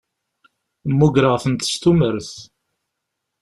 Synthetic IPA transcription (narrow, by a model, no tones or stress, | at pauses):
mːuɡɾəʁθənt̪ə̥st̪uməɾθ